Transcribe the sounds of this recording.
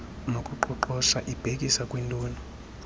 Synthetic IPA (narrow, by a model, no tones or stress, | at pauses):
nokʼuǃɔǃɔʃaʔib̥ʱekʼisakʼwintʼuːnɔ